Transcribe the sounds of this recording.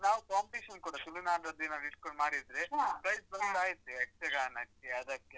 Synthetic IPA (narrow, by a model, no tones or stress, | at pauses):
naːʋukaːmpɐʈiːʃɐnkuːɽɐsulunaːɖɾɐd̪ːinaːʋiʈkoɳɖmaːɽid̪ɾeɦapɾɐjsbɐt̪aːjit̪ːiɐk̚t͡ʃeɡaːnɐt͡ʃːeɐd̪ɐkːe